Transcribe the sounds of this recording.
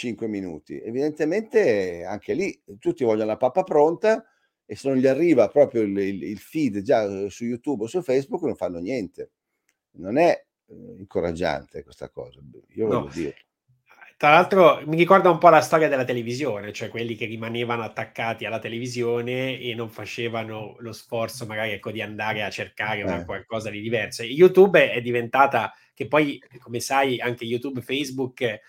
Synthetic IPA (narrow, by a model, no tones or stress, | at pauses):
t͡ʃiŋkweminṵːt̪ḭevid̪ent̪ement̪ea̰ŋk̟elit̪ut̪ːivɔʎːanolapapːapɾont̪a | esenõnʎiarːiːvapɾɔːpɾjolililfid̪d͡ʒasujut̪ubosulfɛjzbukːnoɱfanːonjɛnt̪e | nonɛ | iŋkoɾa̰d͡ʒːa̰nt̪ekwest̪a̰kɔ̰ːza | ḭːovlːo̰d̪ḭːɾe | t̪ɾalalt̪ɾomirikɔrd̪aumpɔlast̪ɔːɾjad̪elat̪elevizjoːnet͡ʃoɛkwelːik̟erːimaneːvanoat̪ːakːaːt̪ialːat̪elevizjoːneenːoɱfat͡ʃeːvanolosfɔrt̪somaɡaːɾiɛkːod̪iand̪aːɾeat͡ʃːerkaːɾeakwalkɔːzad̪id̪ivɛrsojut̪ubɛd̪ːivent̪aːt̪a | k̟epːɔjkomesajaŋk̟ejut̪ubfɛjzbukː